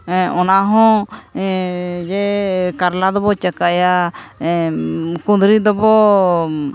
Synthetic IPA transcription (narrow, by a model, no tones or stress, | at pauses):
ɔnaɦɔ̃ | d͡ʒɛkaɾlad̪ɔbɔt͡ʃəkaja | kũnd̪ɾid̪ɔbɔ